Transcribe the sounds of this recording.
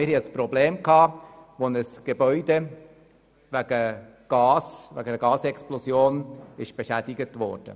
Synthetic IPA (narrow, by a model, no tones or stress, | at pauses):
mɪɾhiəspɾɔbleːmkhɑːʋonəsɡ̥ebœʏde | væɡ̥ə | ɡ̥ɑːsvæ̰ɡədəɡɑːsɛksplɔsjoːnɪʃb̥eʃæd̥ɪɡətvɔ̰ɾd̥ə̰